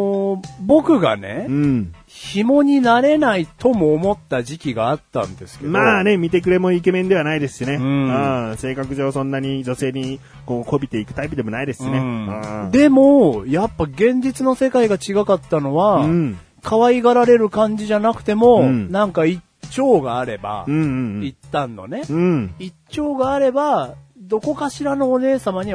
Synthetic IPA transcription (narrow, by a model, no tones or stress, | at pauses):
bo̞kɯ̟ɡa̰ne̞ɯ̃ | çimo̞ɲ̟inaɾe̞nait̪o̞mo̞ːmo̞t̪ːaʑikʲiɡaːt̪ːã̰nd̪e̞sɨ̥kemaːne̞mʲit̪e̞kɯ̟ɾe̞mo̞ike̞mẽ̞nd̪e̞βanaid̪e̞sɨ̥ɕineɯ̃ɯ̃se̞ːkakɯ̟ʑo̞ːsõ̞nːaɲ̟id͡ʑo̞se̞ːɲ̟i | ko̞ːko̞bʲit̪e̞ikɯ̟t̪aip̬ɯd̪e̞mo̞naid̪e̞sɨ̥inẽd̪e̞mojapːaɡẽ̞ɲ̟d͡ʑit͡sɨno̞se̞kaiɡat͡ɕiɡakat̪ːano̞βaɯ̃ | kʰaβaiɡaɾaɾe̞ɾɯ̟kãɲ̟d͡ʑiʑanakɯ̟̥t̪e̞mo̞nãŋkai | t͡ɕo̞ːɡaːɾe̞ba̰ɯ̟̃ɯ̃it̪ːãnːo̞̰ne̞ɯ̃it͡ɕːo̞ːɡaːɾe̞bad̪o̞ko̞kaɕiɾano̞ːne̞ːsamaɲ̟i